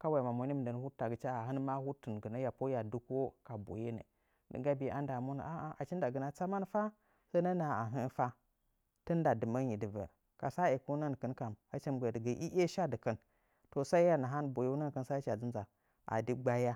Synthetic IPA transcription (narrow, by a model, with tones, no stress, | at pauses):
ka˦wa˨ma˨mo˨˦i˦m˨ndə˨n˦hu˦tːa˨ɡə˨t͡ʃa˦a˨ɦə˦n˦ma˦hu˦tə˨n˨ɡə˨na˦ja˨po˦ja˨du˦ko˦ka˨bo̰˨je˦nə̰˨ | də̰˨ɡa˦bi˨˦ʔa̰˦nda˨mu˦nə̰˨a˦a˨ʔa̰˨t͡ʃi˦n˦da˨ɡə˨na˦t͡sa˦ma˦n˦fa˦ | sa˦nə˦na˨a˨ɦə˦n˦fa˦ | tə˦n˦da˨dɨ˨mə˦ɲi˨də˨və̰˨ | ka˨sa˦e˨ku˦nə˦n˨kə˦nka˨ma˦t͡ʃə˦m˨ɡʷə˨də˨ɡə˨ʔi˦ʔe˦ʃa˦də˨kə˦n | to˨sa˦i˦a˦na˨ɦa˦nbo˨je˦nə˦n˨kə˦nsa˦t͡ʃa˨d͡zi˦nza˨ | a̰˨di˦ɡ͡ba˦ja˦